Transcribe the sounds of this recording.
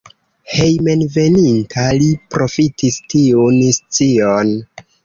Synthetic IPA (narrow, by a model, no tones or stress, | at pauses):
he̞jme̞nve̞nintʰalipɾo̞fitistiunst͡sion